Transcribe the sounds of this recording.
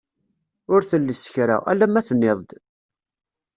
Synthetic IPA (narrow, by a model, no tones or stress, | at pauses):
ʊɾθəlːəsə̥çɾa̰æ̰lːæmæθənːeðˤd̪